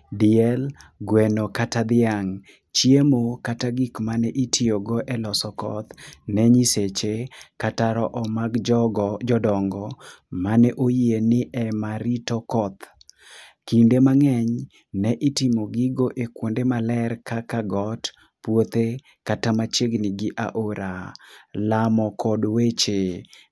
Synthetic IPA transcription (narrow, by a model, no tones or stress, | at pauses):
diɛlɡwɛnokatad̪ɪaŋ | t͡ʃjemokataɡikmanɛʔitʰioɡɔʔɛlɔsɔkɔ̰t̪nɛɲiset͡ʃekataɾɔʔɔmaɡd͡ʒɔdɔŋɡɔmanɛʔojienɪʔɛmaɾitɔkɔt̪ | kindemaŋɛɲ | nɛʔitɪmoɡɪɡoʔekwondemalɛrkakaɡɔt | pwot̪e | katamat͡ʃeɡnɪɡɪʔa̰ʔoɾalamɔkɔdwet͡ʃe